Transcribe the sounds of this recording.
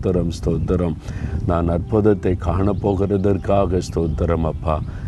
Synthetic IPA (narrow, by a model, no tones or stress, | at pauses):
t̪ːɐɾɐmst̪oːt̪ːɐɾɐmnaːnɐɾpɐd̪ɐt̪ːekaːɳɐpːoːɣɐɾɐd̪ɐɾkaːɣɐst̪oːd̪ɐɾɐmɐpʰːaː